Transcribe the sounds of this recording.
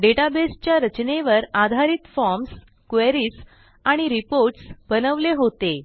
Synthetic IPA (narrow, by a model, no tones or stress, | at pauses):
ɖeʈabest͡ɕjaɾət͡ɕneʋəɾad̪ʱaɾiːt̪fɔɾms | kʋeɾiːs | aɽ̃iɾipoɾʈsbənəʋleɦot̪e